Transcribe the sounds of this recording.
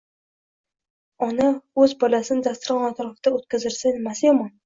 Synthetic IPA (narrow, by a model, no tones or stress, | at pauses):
ɒnaɵzbɒlasɪnɪd̪ast̪ʊɾqɑnɒt̪ʰɒɾɑft̪aɵt̪̚kʲʰazɪɾsanemasjɒmɒn